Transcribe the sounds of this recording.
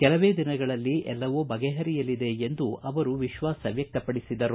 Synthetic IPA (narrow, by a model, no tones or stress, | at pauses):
kɛlɐʋeːd̪inɐɡɐɭɐlːiʔɛlːɐʋoːbɐɡɛɦɐɾijɐlid̪e̞end̪uʔɐʋɐɾuʋiʃʋaːsɐʋjɐk̚t̪ɐpɐɽisid̪ɐɾu